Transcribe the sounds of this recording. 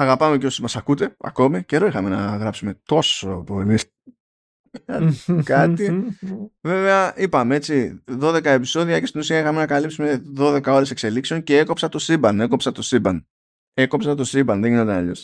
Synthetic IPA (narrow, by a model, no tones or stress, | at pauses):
ɐɣɐpɐme̞cosimɐsɐkut̪e̞ɐ̰ko̞mice̞ɾo̞ixɐme̞nɐɣɾɐpsume̞t̪o̞so̞po̞li | ɐkɐt̪i | ve̞ve̞ɐipɐmee̞t͡siðo̞ðe̞kɐe̞piso̞ðiɐcest̪inusiɐixɐme̞nɐkɐlipsume̞ðo̞ðe̞kɐo̞ɾe̞se̞kse̞likseo̞nceeko̞psɐt̪o̞sibɐne̞ko̞psɐt̪osibɐn | e̞ko̞psɐt̪o̞sibɐnðeʝinot̪ɐɐ̰ʎo̞s